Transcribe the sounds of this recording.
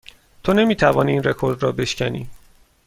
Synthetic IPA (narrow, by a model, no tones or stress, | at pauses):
t̪ʰone̞miːt̪ʰævɒːniːnre̞kʰo̞ɾd̪ɾɒːbe̞ʃcʰænḭː